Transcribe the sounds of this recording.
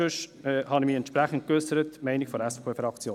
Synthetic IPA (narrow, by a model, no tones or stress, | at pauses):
øʃhɑnimiːɛntʃpɾæχən̩t̚køsəɾətmɛɪnikfɔɾɛsfepʰːeːfɾɑkt͡sjoː